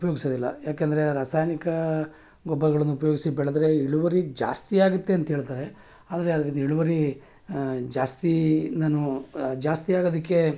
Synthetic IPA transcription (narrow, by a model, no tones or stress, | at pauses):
upɐjoːɡisɐd̪ilːɐ̰jaːkend̪ɐɾeɾaːsaːjnikɐ | ɡɔbːɐɡɐɭɐnːuupɐjo̞ːɡisibɛɭɐd̪ɾe̞iɭuʋɐɾid͡ʒa̰ːst̪iaːɡut̪ːe̞ɐnt̪ɐɦeːɭt̪aːɾe | aːd̪ɐɾe̞ɐd̪ɐɾind̪iɭuʋɐɾi | d͡ʒaːst̪inaːnud͡ʒaːst̪ijaːɡod̪ɐkːe̞